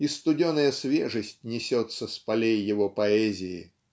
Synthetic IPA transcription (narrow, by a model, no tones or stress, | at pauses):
ist̪ʊdʲonəjəsvʲeʐəsʲtʲnʲɪsʲɔt̪səspɐlʲejːɪvɔpɐɛzʲɪɪ